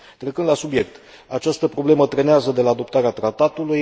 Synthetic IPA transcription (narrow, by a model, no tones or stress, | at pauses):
t̪ɾe̞kɨnd̪lasubje̞k̚t̪ | at͡ʃast̪əpɾo̞ble̞mət̪ɾe̞neazəd̪e̞laːd̪o̞pt̪aɾeat̪ɾat̪at̪uluj